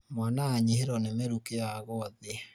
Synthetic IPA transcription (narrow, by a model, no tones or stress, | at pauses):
mwanaːɲiheɾɔnemeɾukeaɣɔðe